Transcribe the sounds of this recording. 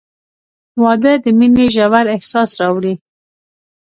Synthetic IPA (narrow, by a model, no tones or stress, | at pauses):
wɑd̪əd̪əmileʒawaɾɪhsɑsɾɑwɽi